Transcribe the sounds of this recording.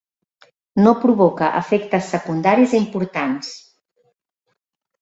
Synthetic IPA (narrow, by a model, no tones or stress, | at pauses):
nopɾuβɔkəʔə̰fɛkt̪əsːəkund̪aɾizeimpuɾt̪ans